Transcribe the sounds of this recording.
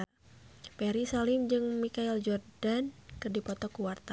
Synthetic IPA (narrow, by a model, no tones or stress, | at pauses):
pɛɾisalɪmd͡ʒɨŋmikaild͡ʒɔrdankɨrdipɔt̪ɔkuwart̪a